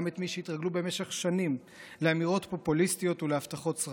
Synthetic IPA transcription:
met̪miʃeit̪ʁaɡlube̞me̞ʃeχʃanim | leamiʁo̞tpo̞pulistijo̞t̪ulehaft̪aχo̞tsʁ

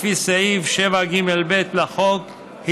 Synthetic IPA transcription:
fisaʔivʃevaɡimelbet̪laχok | hi

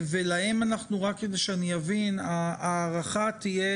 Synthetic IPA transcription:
velaemanaχnuʁakːed̪eʃeaniavinaːʁaχat̪ije

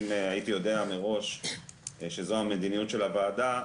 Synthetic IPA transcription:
mait̪ijo̞deameʁo̞ʃ | ʃezo̞ɦame̞d̪inijut̪ʃe̞lavaːd̪a

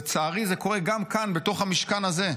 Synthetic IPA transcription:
t͡saːʁize̞ko̞ʁe̞ɡamkanbe̞to̞χhamiʃkanaze̞

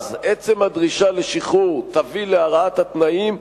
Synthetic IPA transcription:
zet͡se̞mhad̪ʁiʃale̞ʃiχuʁt̪avileaʁaat̪hat̪naim

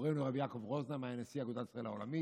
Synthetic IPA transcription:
ʁenoʁabijakovʁoznamaenesiaɡod̪at̪isʁaelhaolami

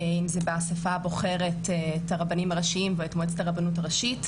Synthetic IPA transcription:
imzebeasafabo̞χeʁe̞tːtaʁabanimaʁaʃiimveetmoet͡setaʁabanut̬aʁaʃit

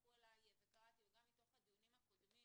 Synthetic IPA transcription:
uelajevɡat̪ieɡamːit̪o̞χhad̪ijunimhakod̪mim

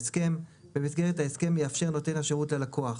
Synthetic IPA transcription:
ske̞mbemisɡeʁethaeske̞mjeafʃe̞ʁno̞te̞nhaʃeʁutlelakʰo̞aχ

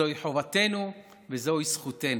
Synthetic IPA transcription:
ojiħovat̪e̞nu | vezo̞jisχuten

